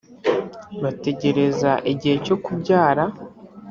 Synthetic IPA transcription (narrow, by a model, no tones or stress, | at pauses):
βate̞ɟe̞ɾe̞zaʔiɟihe̞co̞kubɟaːɾa